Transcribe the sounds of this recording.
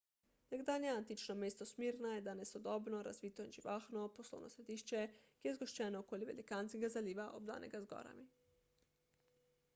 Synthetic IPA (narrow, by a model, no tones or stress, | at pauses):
nɛɡd̪aːljɛant̪it͡ʃnɔmeːst̪ɔsmiːɾnajɛd̪anɛsɔd̪ɔːbnɔɾa̰zʋiːt̪ɔinʒiʋaːxnɔposlo̰wnʔɔsɾɛd̪iːʃt͡ʃɛkijɛzɡoʃt͡ʃɛːnɔokoːliʋɛlikaːnskɛɡazaliːʋaʔobd̪a̰ːnʔɛ̰ɡazɡɔ̰ːɾa̰mi